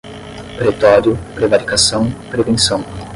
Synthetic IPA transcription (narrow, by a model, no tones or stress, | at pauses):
pɾet̪ɔɾjʊpɾevaɾikasɐ̃w̃pɾevẽsɐ̃w̃